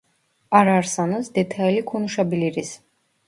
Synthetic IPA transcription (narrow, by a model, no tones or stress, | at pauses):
aɾaɾsanɔsd̪ɛt̪ʰaɛlikʰunuʃabiliɾis